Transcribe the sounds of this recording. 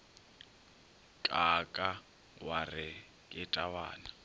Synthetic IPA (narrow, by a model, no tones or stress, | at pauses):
kʼakʼa | warɪ | kʼɪtʼawa̰ːna